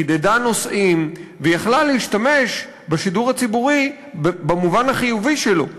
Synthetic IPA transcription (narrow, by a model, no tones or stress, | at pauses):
id̪edano̞sʔimvejaχlaleiʃtame̞ʃ | beʃiduʁat͡sibuʁi | bamuvanhaχijuviʃelo̞